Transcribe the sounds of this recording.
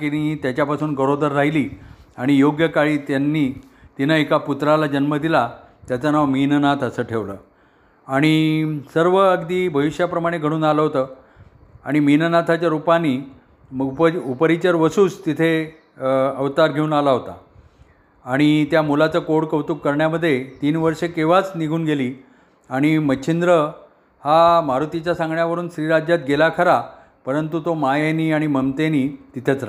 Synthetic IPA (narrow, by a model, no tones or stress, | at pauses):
kiniit̪jat͡ɕjapasuːnɡəɽod̪əɾːaɦiliːaɽ̃ijoɡjəkaɭiːt̪janːiː | t̪inaekaput̪ɾalad͡ʑənməd̪ila | t̪jat͡sanaʋminənat̪ʰəsəːʈʰeʋləː | aɽ̃isəɾʋəəɡd̪iːbʱəʋiɕjapɾəmaɽ̃eɡʱəɽ̃uːnaləɦot̪əː | aɽ̃iminənat̪ʰat͡ɕjaɾupaniː | pəupəɾit͡ɕəɾʋəsuːt͡st̪it̪ʰe | əʋt̪aɾɡʱeuːnalaɦot̪aː | ɽ̃it̪jamulat͡səkoɽkəʋt̪ukkːəɾɳjaməd̪ʱːjet̪iːnʋəɾʂekeʋat͡sniɡʱuːnɡeliː | aɽ̃imət͡ɕʰind̪ɾə | hamaɾut̪it͡ɕjasãŋɡɳjaʋəɾuːnɕɾiːɾad͡ʑjat̪̚ɡelakʰəɾa | pəɾənt̪ut̪omajeniːaɽ̃iməmt̪eniːt̪it̪ʰjet͡sɾa